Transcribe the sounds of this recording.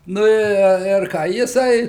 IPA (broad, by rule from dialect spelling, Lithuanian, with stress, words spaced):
ˈnʊ ɪ ɪr ˈkɑː jɪˈsɐɪ